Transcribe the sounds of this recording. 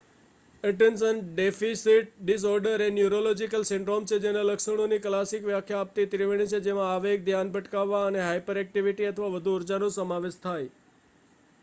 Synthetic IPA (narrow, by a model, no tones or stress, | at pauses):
ɪʈensənɖefisiʈ̚ɖis̬ɔɾɖəɾenjuɾolod͡ʒikəlsɪ̃ɳɖɾomt͡ʃʰed͡ʒenaləkʃəɽ̃oniklasikʋjakʰjaːp̚t̪it̪ɾiʋiɽ̃it͡ʃʰed͡ʒemãaʋek̚d̪ʱjanbʱəʈkaʋːaəneɦajpəɾɛk̚ʈiʋiʈiət̪ʰəʋaʋəd̪ʱuːɾd͡ʒanosəmaʋeʃt̪ʰaj